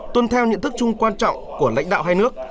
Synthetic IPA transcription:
t̪wə˧nt̪ʰɛ˧wɲə̰˧˨nt̪ɨ˦˥k̚t͡ɕʊ˧ŋ͡mkwaː˧nt͡ɕɔ̰˧˨ŋ͡mku˧˩əla̰˧˥jŋ̟ɗa̰ː˧˨ɦaː˧jnɨ˦˥ək̚

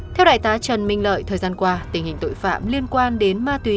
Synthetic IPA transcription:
t̪ʰɛ˧wɗa̰ː˧˨jt̪aː˨˦t͡ɕə˨˩nmï˧˩ŋ̟lə̰ː˧˨jt̪ʰəː˨˩zaː˧nkwaː˧t̪ï˨˩ŋ̟hï˨˩ŋ̟t̪o̰˧˨jfa̰ː˧˨mli˧ənkwaː˧nɗe˨˦nmaː˧t̪wi˨˦

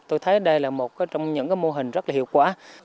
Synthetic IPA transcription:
t̪o˧jt̪ʰə˨˦jɗə˧jlaː˨˩mo˨˩t̚kaː˨˦jt͡ɕɔ˧wŋ͡mɲə̰˧˥ŋkaː˨˦jmo˧ɦï˨˩ŋ̟zə˦˥t̚laː˨hḭ˧˨əwkwaː˧˩

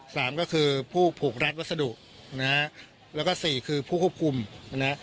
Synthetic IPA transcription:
saː˩˦mkɔː˥˩kʰɯː˧pʰuː˥˩pʰuː˨˩k̚ɾa˦˥t̪̚wa˥t̪̚sa˧du˨˩ʔ̚ | na˦˥ | lɛ˦˥kɔː˥˩siː˨˩kʰɯː˧pʰuː˥˩kʰu˥˩p̚kʰu˧mna˦˥ʔ

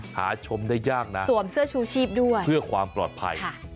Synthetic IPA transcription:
ha̰ː˩˦t͡ɕʰo˧mda˥˩jːaː˥˩k̚na˦˥su˨˩˦əmsɯ˥˩ət͡ɕʰuː˧t͡ɕʰiː˥˩p̚du˥˩əjʰɯ˥˩ɐkʰwaː˧mplɔ̰ː˨˩t̪̚pʰa̰˧jkʰa˥˩

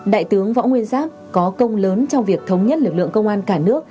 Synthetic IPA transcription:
ɗa̰ː˧˨jt̪ɨ˨˦əŋvɔ̰˧˥ŋwi˧ənzaː˦˥m̚ | kɔ˨˦kə˧wŋ͡mləː˨˦nt͡ɕɔ˧wŋ͡mvi˨˩ək̚t̪ʰə˨˦wŋ͡mɲə˦˥t̚lɨ˨˩k̚lɨ̰˧˨əŋkə˧wŋ͡mʔaː˧nkaː˧˩nɨ˦˥ək̚

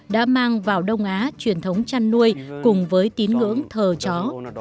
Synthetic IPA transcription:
ɗa̰ː˧˥maː˧ŋvaː˨˩wɗə˧wŋ͡mʔaː˨˦t͡ɕwi˨˩ənt̪ʰə˨˦wŋ͡mt͡ɕa˧nːu˧əjkʊ˨˩ŋ͡mvəː˨˦jt̪i˨˦ənŋɨ̰˧˥əŋt̪ʰəː˨˩t͡ɕɔ˨˦

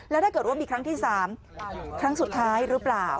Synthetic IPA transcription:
lɛ˦˥wt̪aː˥˩kɤː˨˩t̪̚wa˥˩miː˧kʰɾa˦˥ŋt̪ʰiː˥˩saː˩˦m | kʰɾa˦˥ŋsu˨˩t̪ʰːaː˦˥jɾɯː˦˥plaː˨˩w

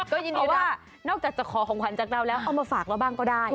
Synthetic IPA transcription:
kɔː˥˩jɯː˧ndiː˧waː˥˩ | nɔː˥˩k̚aː˨˩k̚t͡ɕaː˨˩kʰɔː˩˦kʰɔː˨˩˦ŋkʰa˨˩˦nt͡ɕaː˨˩k̚ɾa˧wlɛː˦˥wʔa˧wmaː˧faː˨˩k̚ɾa˧˩wbaː˥˩ŋkɔː˥˩daː˥˩j

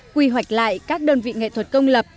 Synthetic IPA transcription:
kwi˧ɦwa˨˩jk̟̚la̰ː˧˨jkaː˦˥k̚ɗəː˧nvḭ˧˨ŋḛ˧˨t̪ʰwə˨˩t̚kə˧wŋ͡mlə˨˩p̚

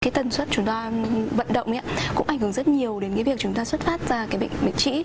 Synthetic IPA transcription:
kaː˨˦jt̪ə˨˩nswə˦˥t̚t͡ɕʊ˨˦ŋ͡mt̪aː˧və̰˧˨nɗə̰˧˨wŋ͡mi˨˧ʔa˨˦kʊ̰˧˥ŋ͡mʔjŋhɨ˨˩˦ŋzə˦˥t̚ɲi˨˩əwɗe˨˦nkaː˨˦vi˨˩əkt͡ɕʊ˨˦ŋ͡mt̪aː˧swə˦˥t̚faː˦˥t̚zaː˧kaː˨˦jɓə̰˧˨ŋ̟ɓə̰˧˨ŋ̟t͡ɕḭ˧˥

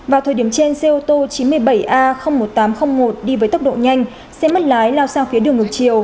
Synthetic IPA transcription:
vaː˨˩wt̪ʰə˨˩ɗi˨˩əmt͡ɕe˧nse˧ʔo˧t̪o˧t͡ɕi˨˦nmɨ˧əjɓə˧˩jʔaː˧xə˧wŋ͡mmo˨˩t̚t̪aː˨˦mxə˧wŋ͡mmo˨˩t̚ɗi˧vəː˨˦j̪ə˦˥k̚ɗo̰˧˨ɲa˧jŋ̟ | sɛ̰˧˥mə˦˥t̚laː˨˦jlaː˧wsaː˧ŋfi˨˦əɗɨ˨˩əŋːɨ˨˩k̚t͡ɕi˨˩əw

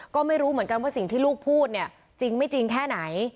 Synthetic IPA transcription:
kɔː˥˩ma˥˩jɾuː˦˥mɯ˩˦ənka˧nwaː˥˩si˨˩ŋt̪ʰiː˥˩luː˥˩k̚pʰuː˥˩t̪̚ni˥˩ə | t͡ɕi˧ŋma˥˩jt͡ɕi˧ŋkʰɛː˥˩na˩˦j

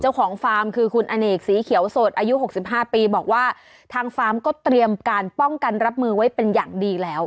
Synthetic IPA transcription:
t͡ɕa˥˩wkʰɔː˩˦ŋfaː˦˥mkʰɯː˧kʰu˧nʔa˧neː˨˩k̚siː˩˦kʰi˨˩˦ə˦wso˨˩t̪ʔaː˧ju˦˥ɦo˨˩k̚si˨˩p̚ɦaː˥˩piː˧bɔː˨˩k̚waː˥˩ | t̪ʰaː˧ŋfaː˦˥mkɔː˥˩t̪ɾi˧əmkaː˧npɔ˥˩ŋka˧nɾa˦˥p̚mɯː˧wa˦˥jpe˧njaː˨˩ŋdiː˧lɛː˦˥w

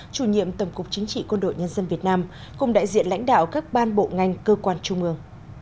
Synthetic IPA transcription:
t͡ɕu˧˩ɲḭ˧˨əmt̪ə˧˩wŋ͡mkʊ˨˩k͡p̚t͡ɕï˨˦ŋ̟t͡ɕḭ˧˨kwə˧nɗo̰˧˨jɲə˧nzə˧nvi˨˩ət̚naː˧m | kʊ̰˨˧˩ŋ͡mɗa̰ː˧˨jzḭ˧˨ənla̰˧˥jŋ̟ɗa̰ː˧˨wkaː˦˥k̚ɓaː˧nɓo̰˧˨ŋa˨˩jŋ̟kəː˧kwaː˧nt͡ɕʊ˧ŋ͡mʔɨ˧əŋ

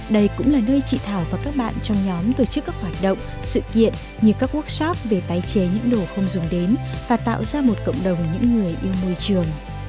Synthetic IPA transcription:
ɗə˧jkʊ̰˧˥ŋ͡mlaː˨˩nəː˧jt͡ɕḭ˧˨t̪ʰaː˧˩wvaː˨˩kaː˦˥k̚ɓa̰ː˧˨nt͡ɕɔ˧wŋ͡mɲɔ˨˦mt̪o˧˩t͡ɕɨ˦˥kːaː˦˥k̚hwaː˧˩t̚ɗə̰˧˨wŋ͡m | sɨ̰˧˨kḭ˧˨ən | ɲɨ˧˩kaː˦˥kːu˦˥ək̚sɔ˦˥p̚ve˨˩t̪aː˨˦jt͡ɕe˨˦ɲɨ̰˧˥ŋɗo˨˩xə˧wŋ͡mzʊ˨˦ŋ͡mɗe˨˦nvaː˨˩t̪a̰ː˧˨wzaː˧mo˨˩t̚kə̰˧˨wŋ͡mɗə˨˩wŋ͡mɲɨ̰˧˥ŋːɨ˨˩əjʔi˧əwmo˧jt͡ɕɨ˨˩əŋ

